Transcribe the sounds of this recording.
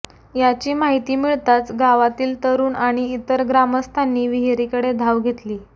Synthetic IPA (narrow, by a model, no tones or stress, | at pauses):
jat͡ɕiːmaɦit̪iːmiɭt̪at͡sɡaʋat̪iːlt̪əɾuːnaɽ̃iːt̪əɾɡɾaməst̪ʰanːiːʋiɦeɾikəɽed̪ʱaʋɡʱet̪liː